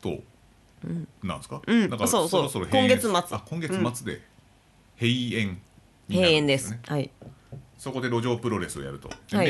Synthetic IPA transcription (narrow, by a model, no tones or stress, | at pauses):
t̪o̰ | ɯ̟̃ɴnã̰ɰ̃sɨ̥kaɯ̟̃d̪akasoːsoːɾosoɾohkõŋɡe̞t͡sɨmat͡sɨ̥akõŋɡe̞ɨ̃ɨmat͡sɨd̪e̞̰ | heiẽ̞ŋ | mʲiheaẽnd̪e̞sɨsehai | so̞ko̞d̪e̞ɾo̞ʑo̞ːpɯ̟ɾo̞ɾe̞sɨoja̰ɾɯ̟t̪o̞̰hai